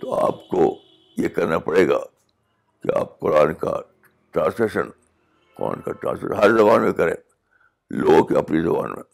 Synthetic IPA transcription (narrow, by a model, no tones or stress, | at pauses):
t̪oaːpko | jekɐɾnapɐɽeːɡaː | kia̰ːp̚qʊɾaːnka | ʈɾãːnseʃə̰̃n | kɔɾa̰ːnkaʈɾãːnsfḛʃɦɐɾzɐbaːnmẽkɐɾḛ̃ː | loːɡõkeɐpnizɐbaːnmḛ̃